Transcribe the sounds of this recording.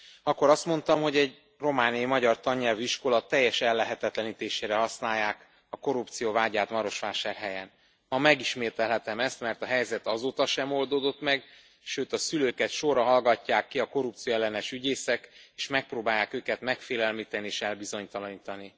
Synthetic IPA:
ɒkːo̞ɾɒst̪mo̞nt̪ɒmho̞ɟɛɟ | ro̞maːniɒimɒɟɒrt̪ɒɲːɛlviʃko̞lɒt̪ːɛjːɛʃɛlːɛɦɛt̪ɛt̪lɛniːt̪eːʃeːɾɛɦɒsnaːjːaːk | ɒko̞ɾupt̪sijovaːɟaːt̪mɒɾo̞ʃʋaːʃaːrɦɛjɛn | mɒmɛɡiʃmeːt̪ɛlɦɛt̪ɛmɛst̪mɛrt̪ɒɦɛjzɛt̪ɒzoːt̪ɒʃɛmo̞ld̪oːd̪o̞t̪mɛɡ | ʃøːt̪ɒsyløːkɛt̪ʃo̞rɒɦɒlɡɒcːaːkːiɒko̞rupt̪sijoɛlːɛnɛʃyɟeːsɛkeːʃmɛk̚proːbaːjaːkøːkɛt̪mɛkfeːlɛlmiːt̪ɛnieːʃɛlbizo̞ɲt̪ɒlɒɲiːt̪ɒni

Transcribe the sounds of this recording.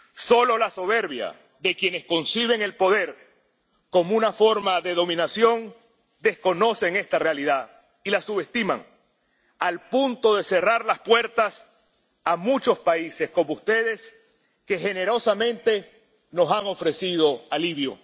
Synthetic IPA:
so̞lo̞laso̞βe̞ɾβja̰ | ðe̞kje̞ne̞sko̞nsiβ̞e̞ŋe̞lpo̞ðe̞ɾ | ko̞mounafo̞ɾmaðe̞ðo̞mĩnasjo̞ŋ | d̪e̞sko̞no̞se̞ŋe̞st̪arealiðað | ilasuβe̞st̪ima̰ŋ | alpunt̪oðe̞se̞raɾlaspwe̞ɾt̪as | amut͡ʃo̞spaise̞sko̞moust̪e̞ðe̞s | ke̞xe̞ne̞ɾo̞samẽ̞nt̪e̞ | no̞saŋo̞fɾe̞sið̞o̞aliβ̞jo̞̰

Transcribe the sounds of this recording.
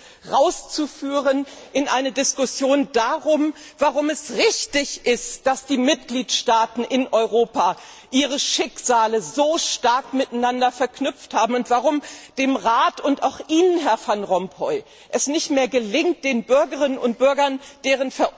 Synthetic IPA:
ʁaʊst͡sufyːʁənʔɪnʔaɪnədɪskʊsjoːndaʁʊmvaʁʊmɛsʁɪçtɪçʔɪstd̥asd̥iːmɪt̚ɡ̥liːtʃtaːtn̩ʔɪnʔɔʏʁoːpa | ʔiːʁ̞əʃɪkz̥aːləzoːʃtaɐkmɪtanandɐfɛɐknʏp͡fthaːbm̩ʊntv̥aʁʊmd̥eːmʁaːtʊntaʊxʔiːnənɦɛɐfanʁɔmpʰɔʏ | ʔɛsnɪçtmeːɐɡəlɪŋt̚d̥eːnbʏɐɡəʁɪnənʊnt̚b̥ʏɐɡɐnd̥eːʁ̞ənfɛɐ

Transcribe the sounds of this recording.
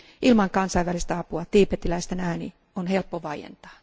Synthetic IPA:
ʔilmɑŋkɑnsɑjʋælist̪æɑpuɑt̪iːpet̪ːilæist̪enæːnḭ | onhe̞lpːoʋɑijḛnt̪ɑ̥ː

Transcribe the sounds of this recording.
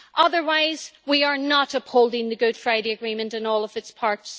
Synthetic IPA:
ʔʌðə˞waɪz̥wiə˞nəɾʌphoʊlˠdɪ̃ŋðəɡʊd̥fɹaɪɾeəɡɹĩmə̃ntɨ̃nɔːlˠʌvɨtspʰaɹts

